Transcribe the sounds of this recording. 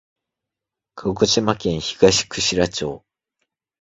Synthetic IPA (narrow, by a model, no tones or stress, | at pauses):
kʰokot͡ɕimakẽ̞ɰ̃çiɡ̥aɕi̥kɯ̟ɕiɾat͡ɕo̞ː